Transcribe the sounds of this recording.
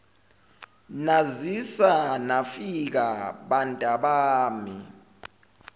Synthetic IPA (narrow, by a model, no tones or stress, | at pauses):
nazisanafik̬aɓantʼaɓaːmḭ